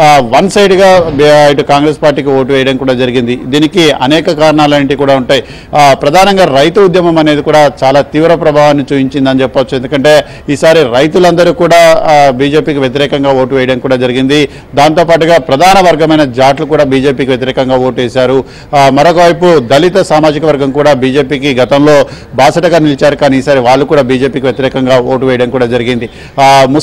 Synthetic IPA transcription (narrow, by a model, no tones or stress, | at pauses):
ʋɐnsɐjʈɡaːiʈukaːŋɡɾeːspaːɾʈːiːkioːʈuʋɛːjɐɽɐmkuːɽaːd͡ʒɐɾiɡind̪id̪iːnikiɐ̰nɛːkɐkaːɾɐɳaːlɐɳʈikuːɽaːuɳʈaːji | pɾɐd̪ʱaːnɐŋɡaːɾɐjt̪uud̪jɐmɐmɐne̞ːd̪ikuːɽaːt͡ʃaːlaːt̪iːʋɾɐpɾɐbʱaːʋaːnːit͡ʃuːpiɲt͡ʃind̪ɐnit͡ʃɛpːɐʋt͡ʃːuend̪ukɐɳʈe̞ː | iːsaːɾiɾɐjt̪ulɐnd̪ɐɾuːkuːɽaːbiːd͡ʒe̞ːpiːkiʋjɐt̪̬iɾɛːkɐŋɡaːoːʈuʋɛːjɐɽɐmkuːɽaːd͡ʒɐɾiɡind̪i | d̪aːnt̪o̞ːpaːʈ̬uɡaːpɾɐd̪ʱaːnɐʋɐɾɡɐmɐjnɐd͡ʒaːʈlukuːɽaːbiːd͡ʒe̞ːpiːkiʋjɐt̪iɾɛːkɐŋɡaːo̞ːʈeːsaːɾu | mɐɾokɐʋɐjpud̪ɐlit̪ɐsaːmaːd͡ʒikɐʋɐɾɡɐmkuːɽaːbiːd͡ʒe̞ːpiːkiɡɐt̪ɐmlo̞ː | baːsɐʈɐɡaːnilit͡ʃaːɾukaːniːsaːɾiʋaːɭːukuːɽaːbiːd͡ʒe̞ːpiːk̬iʋjɐt̪iɾɛːkɐŋɡaːoːʈuʋɛːjɐɽɐmkuːɽaːd͡ʒɐɾiɡind̪i | mu